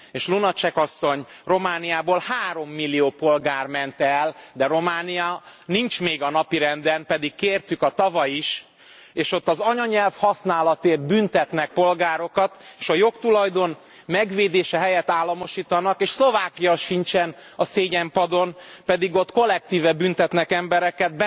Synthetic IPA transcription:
eːʃlunɒt͡ʃɛkɒsːo̞ɲ | ro̞maːnijaːboːlhaːɾo̞mːilːijoːpo̞lɡaːrmɛnt̪ɛld̪ɛɾo̞maːnijɒnint͡ʃmeːɡɒnɒpiɾɛnd̪ɛnpɛd̪ikːeːrt̪ykɒt̪ɒvɒjiʃ | eːʃo̞t̪ːɒzɒɲɒɲɛlfhɒsnaːlɒt̪eːr̚bynt̪ɛt̪nɛk̚po̞lɡaːɾo̞kɒt̪eːʃɒjo̞kt̪ulɒjd̪o̞n | mɛɡveːd̪eːʃɛɦɛjɛt̪ːaːlːɒmo̞ʃiːt̪ɒnɒkeːʃslo̞vaːkijɒʃint͡ʃɛnɒseːɟɛmpɒd̪o̞npɛd̪iɡo̞t̪ko̞lːɛk̚t̪iːvɛbynt̪ɛt̪nɛkɛmbɛɾɛkɛd̪̚bɛ

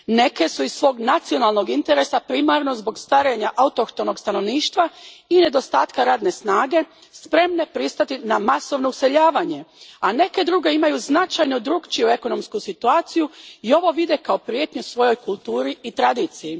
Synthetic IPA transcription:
ne̞ke̞suizsʋo̞ːɡnat̪sijo̞naːlˠnoɡint̪eɾe̞sapɾimaːɾno̞zbo̞ɡst̪ʋaɾeɲaʔaut̪oxt̪ono̞ɡst̪ano̞ʋniːʃt̪ʋaine̞d̪o̞st̪aːt̪kaɾaːd̪ne̞snaːɡe̞ | spɾe̞mne̞pɾist̪at̪inamaso̞ʋnouse̞ʎaːʋaɲe̞ane̞ke̞d̪ɾuɡe̞imajuznat͡ʃajnod̪ɾuɡt͡ʃijue̞ko̞no̞mskusit̪uaːt̪sijuio̞ʋo̞ʋid̪e̞kao̞pɾje̞t̪ɲusʋo̞jo̞jkulˠt̪uːɾiit̪ɾad̪iːt̪siji

